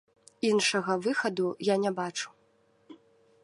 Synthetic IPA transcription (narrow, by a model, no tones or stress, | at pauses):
inʂɐɣɐvɨxɐd̪ujanʲɛbat͡ʂu̥